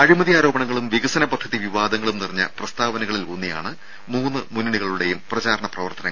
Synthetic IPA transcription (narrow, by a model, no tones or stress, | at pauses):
ɐɻimɐðijaːɾo̞ːbɐɳɐŋːɐɭumʋiɣɐsɐnɐbɐt̪ʰːɐðiʋiʋaːd̪ɐŋːɐɭumnirɐɲːɐ̰prɐst̪aːʋɐnɐɣɐɭilonːija̰ːɳɨ | muːnːɨmunːiɽiɣɐɭuɽe̞jumprɐd͡ʑaːɾɐɳɐprɐʋɐrt̪ɐnɐŋ